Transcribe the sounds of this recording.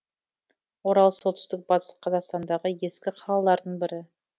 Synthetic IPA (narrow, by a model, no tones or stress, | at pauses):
wo̞ɾɑlˠso̞lt̪ʏst̪ɪk̚b̥ɑt̪ə̥sqʰːɑzɑqst̪ɑnd̪ɑʁəje̞skʲɪqʰɑlˠɑlˠɑɾd̪əɴbɪɾɪ